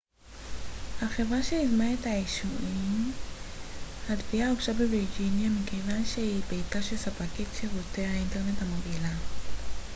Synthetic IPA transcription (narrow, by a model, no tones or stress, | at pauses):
haχevʁaʃeizmaethaiʃuʔim | hadviauɡʃabebʁid͡ʒinjamikejvanʃehibetaʃesapakitʃevotehainte̞ʁne̞thamoɡila